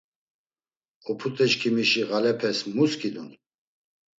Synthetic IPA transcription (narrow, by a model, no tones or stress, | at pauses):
ɔpʰut̪ʼɛt͡ʃkʰimiʃiɣalɛpʰɛsmuskʰid̪un